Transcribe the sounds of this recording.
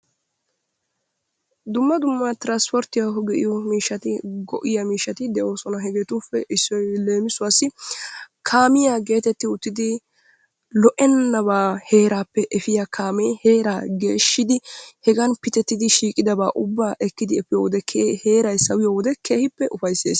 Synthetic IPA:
d̪ʊmːɐd̪ʊmːɐt̪ɪɾɐnspɔɾt̪ɪjaɦɔɡɛʔɪ̰jɔmiːʃːɐt̪ɪɡɔʔɪjɐmiːʃːɐt̪ɪd̪ɛʔo̞ːsɔnɐɦɛɡɛt̪uːfːɛʔɪsːɔjle̞ːmɪsʊwaːsːɪ | kʰaːmɪjaɡe̞ːt̪ɛt̪ːɪʊt̪ːɪd̪ɪ | lɔʔɛnːɐbaːhe̞ːɾaːpːɛʔɛfɪjakʰaːmɛjheːɾaːɡe̞ːʃːɪd̪ɪhɛɡɐnpɪt̪ɛt̪ːɪd̪ɪʃiːkʼɪd̪ɐbaːʔʊbːaːʔɛkːɪd̪ɪɛfɪjoːwɔd̪ɛkʰheːɾɐjsɐwɪjoːwɔd̪ɛke̞ːhɪpːɛʔʊfɐjsːḛːs

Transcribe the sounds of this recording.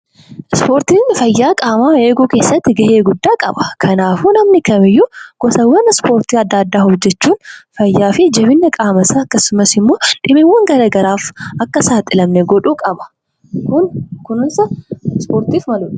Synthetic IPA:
ɪspo̞ːɾt̪iːnfɐjːaːkʼaːmaːe̞ːɡuːke̞ːsːɐt̪ːɪɡɐheːɡʊd̪ːaːkʼɐ̰bɐ̥kʰɐnaːfuːnɐmnɪkɐmɪjːʊɡ̥ɔsɐwɐnspo̞ːɾt̪iːɐd̪ːɐːd̪ːaːhɔd͡ʒːɛt͡ʃːuːnfɐjːaːfɪd͡ʒɛβɪnːɐkʼaːmɐsaɐkːɐsʊmɐsɪmːo̞ːᶑɪmiwɐŋɡɐɾɐɡɐɾaːfɐkːɐsaːt̪ʼɪlɐmnɛɡɔᶑuːkʼɐbɐ̥ | kʊnkʊnɪnsɐspoːɾt̪iːfmɐlʊᶑ

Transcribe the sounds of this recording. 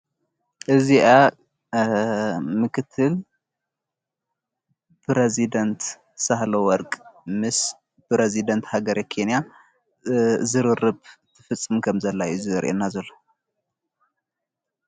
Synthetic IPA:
ʔɨziʔa | mɨkʰɨt̪ʰːɨl | pɾezid̪ɐnt̪ | sahlowɔɾkʼmɨs | pɾezid̪ɐnt̪haɡɐɾʔekʰenja | zɨɾɨrɨbt̪ʰɨfɨt͡sʼːɨmkʰɐmzɐlːaɨziɐɾʔenːazɐlːo

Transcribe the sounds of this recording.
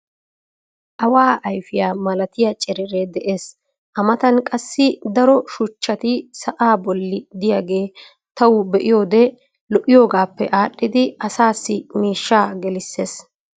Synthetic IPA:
ʔɐwaːʔɐjfɪjaːmɐlɐt̪ɪjɐt͡ʃʼɛɾɛɾed̪ɛʔe̞ːs | ʔɐmɐt̪ɐnkʼɐsːɪd̪ɐɾɔʃʊt͡ʃːɐt̪ɪsɐʔaːbɔlːɪd̪ɪjaːɡe̞ː | t̪ɐwʊbɛʔɪjo̞ːd̪ɛ | lɔʔɪjo̞ːɡaːpːɛʔaːɗːɪd̪ɪɐsaːsːɪmiːʃːaːɡɛlɪsːeːs

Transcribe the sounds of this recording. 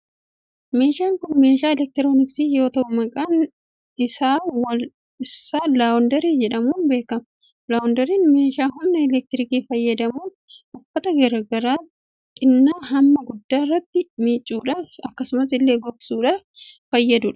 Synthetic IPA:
meːʃaːŋkʊnme̞ːʃaːɛlɛk̚t̪ɪɾoːnɪksiːjo̞ːt̪ɐʔʊmɐkʼaːn | ɪsaːwɐl | ɪsaːlaɔnd̪ɐɾiːd͡ʒɛᶑɐmuːnbe̞ːkɐmɐ | laːʊnd̪ɐɾiːnme̞ːʃaːɦʊmnːɐɛlɛk̚t̪ɪɾɪkiːfɐjːɐd̪ɐmuːn | ʔʊfːɐt̪ɐɡɐɾɐɡɐɾaː | t̪ʼɪnːaːɦɐmːɐɡʊd̪ːaːrːɐt̪ːɪmiːt͡ʃʼːuːᶑɐɐkːɐsʊmɐs̬ɪlːe̞ːɡɔbsuːᶑɐ | fɐjːɐd̪ʊᶑɐ̥

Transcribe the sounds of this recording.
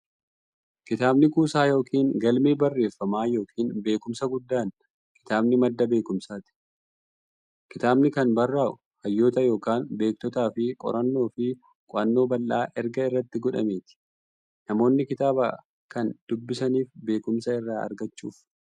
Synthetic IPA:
kɪt̪aːbnɪkuːsaːjo̞ːkʰiːŋɡɐlmeːbɐrːe̞ːfːɐmaːjo̞ːkʰiːnbe̞ːkʊmsɐɡʊd̪ːaːn | kɪ̥t̪aːbnɪmɐd̪ːɐbe̞ːkʊmsaːt̪ɪ̥ | kɪt̪aːbnɪkɐnbɐrːaːʔʊ | hɐjːo̞ːt̪ɐjo̞ːkaːnbe̞ːk̚t̪ɔt̪aːfɪkʼɔ̰ɾɐnːo̞ːfɪ | kʼʊʔɐnːo̞ːbɐlːaːʔɛɾɡɐɪrːɐt̪ːɪɡɔᶑɐ̰meːt̪ɪ̥ | nɐmo̞ːnːɪkɪt̪aːba̰ː | kɐnd̪̥ʊbːɪsɐniːfbe̞ːkʊmsɐɪrːaːʔɐ̰ɾɡɐt͡ʃːuːf

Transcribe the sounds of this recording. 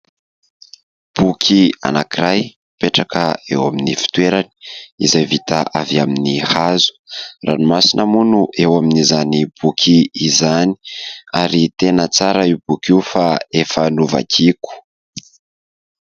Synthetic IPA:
b̥ukʰia̰nakiraj | peʈ͡ʂakəewaminifi̥t̪weɾani̥ḭzajvit̪aʔaviaminihazu̥ra̰nimasinʔəmunuʔewaminizanib̥ukʰiːzani̥aɾit̪enət͡saɾaib̥ukiufaefanuva̰kʰiku̥

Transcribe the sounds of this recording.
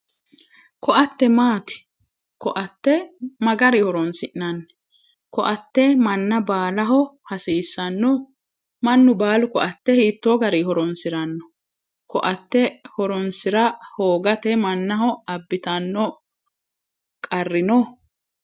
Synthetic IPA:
kɔʔɐt̪ːɛmaːt̪ɪ̥ | kɔʔɐt̪ːɛmɐɡɐɾɪhɔɾɔnsɪʔnɐnː | kɔʔɐt̪ːɛmɐnːɐbaːlɐɦɔhɐsiːsːɐnːɔ | mɐnːʊbaːlʊkɔʔɐt̪ːɛhiːt̪ːoːɡɐɾiːhɔɾɔnsɪɾɐnːɔ | kɔʔɐt̪ːɛhɔɾɔnsɪɾɐhoːɡɐt̪ɛmɐnːɐhɔɐbːɪt̪ɐnːɔ | kʼɐrːɪnɔ

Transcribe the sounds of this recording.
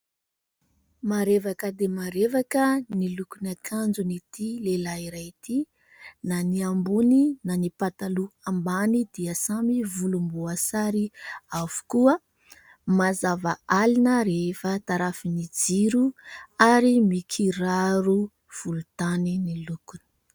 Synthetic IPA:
maɾevakəd̪emaɾevakənilukunakʰand͡zunit̪ilelaiɾait̪i | naniambuninanipat̪aluambanid̪̥iəsamivulumbuasaɾiavu̥kuə | mazavaalinəɾeefət̪aɾafinid͡ziɾuaɾimikʰiɾaɾu | v̥ulut̪aninilukunə̥

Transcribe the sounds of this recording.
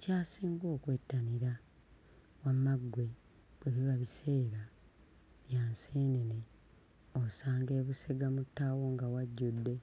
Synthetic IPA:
caːsiːŋɡo̞ːkwetːaniɾa | wamaɡwe̞ | βweβiβaβise̞ːɾa | βjaːnseːnene | osaːŋɡe̞ːβuseɡamutːawoŋɡawaɟːudːe̞

